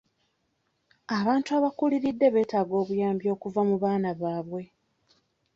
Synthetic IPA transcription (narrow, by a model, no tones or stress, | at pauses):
aβaːntuaːβakuliɾidːe̞βe̞ːtaːɡo̞ːβujaːmbjo̞ːkuvamuβaːnaβaːβwe̞